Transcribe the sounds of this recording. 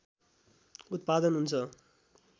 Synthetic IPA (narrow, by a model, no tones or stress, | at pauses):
ut̪̚pad̪ʌnɦunt͡sʰʌ